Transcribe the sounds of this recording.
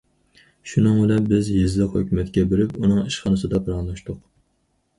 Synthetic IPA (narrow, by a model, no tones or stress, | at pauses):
ʃunɨŋbɪlɛpbɪzjizlˠɨqhø̰kʲʰymɛt̪kʲɛbeɾɪpunɨŋiʃχɑnɨsɨd̪ɑpʰɨɾɑŋlˠɑʃt̪ʊq